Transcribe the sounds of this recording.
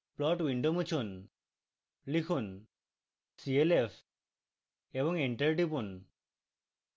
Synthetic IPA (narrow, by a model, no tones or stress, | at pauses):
plɔʈwiɳɖomut͡ɕʰun | likʰun | sielep | ebɔŋeɳʈəɾʈipun